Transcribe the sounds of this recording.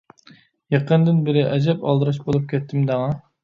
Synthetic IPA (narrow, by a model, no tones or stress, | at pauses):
jɑqʰənd̪ɪnbɪɾɪʔɛd͡ʒɛpɑ̰lˠd̪ɨɾɑʃbolˠup̚kʲʰɛt̪ʰːɪmd̪æŋɑ